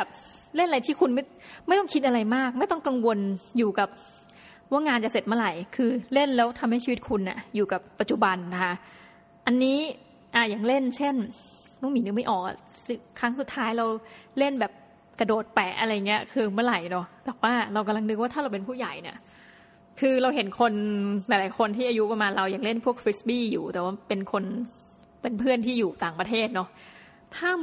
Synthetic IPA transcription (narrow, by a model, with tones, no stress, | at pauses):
bɛː˨˩p̚ | le˥˩nʔaɾa˧jt̪ʰiː˥˩kʰu˧nma˥˩ | ma˥˩jt̪ɔ˥˩ŋkʰi˦˥t̪̚ʔa˧ɾa˧jmaː˥˩k̚ma˥˩jt̪ɔ˥˩ŋka˧ŋwo˧njuː˨˩ka˨˩p̚ | waː˥˩ŋaː˧nt͡ɕa˨˩se˨˩t̪̚maː˥˩ɾa˨˩jkʰɯː˧le˥˩nlɛː˦˥wt̪ʰa˧mha˥˩t͡ɕʰiː˧˨˦t̪̚kʰu˧nʔa̰˨˩juː˨˩ka˨˩pːa˨˩t̪̚t͡ɕu˨˩ba˧nːa˦˥kʰa˦˥ | ʔa˧nːiː˦˥ | ʔa˨˩ja˨˩ŋle˥˩nt͡ɕʰe˥˩n | nɔ˥˩ŋmiː˨˦nɯ˦˥ma˥˩jʔɔː˨˩k̚a̰˨˩ | sɯ˧˩kʰɾa˦˥ŋsu˨˩t̪ʰːaː˦˥jɾa˧wle˥˩nbɛː˨˩p̚ | ka˧doː˨˩t̪̚pɛ˨˩ʔa̰˧ɾa˧jːa˨˩ŋːi˦˥ɐkʰɯː˧mɯ˥˩˨ɾa˨˩jnɔ˨˩bɛː˨˩k̚waː˥˩ɾa˧wka˧mla˧ŋdɯ˧˦k̚waː˥˩t̪ʰa˥ɾa˧wpe˧npʰuː˥˩ja˨˩jnḭ˦˥˩ɐ | kʰɯː˧ɾa˧wɦe˨˦nkʰo˧nla˨˩˦jlaː˨˦jkʰo˧nt̪ʰiː˥˩aː˧ju˦˥pa˧maː˧nɾa˧wja˨˩ŋle˥˩npʰu˥˩ək̚fʰɾi˦˥sbiː˥˩juː˨˩t̪ɛː˨˩waː˥˩pe˧nkʰo˧n | pe˧npʰɯ˥˩ənt̪ʰiː˥˩juː˨˩t̪aː˨˩ŋpɾa˧t̪ʰeː˥˩t̪̚nɔ˦˥ʔ | t̪ʰaː˥˩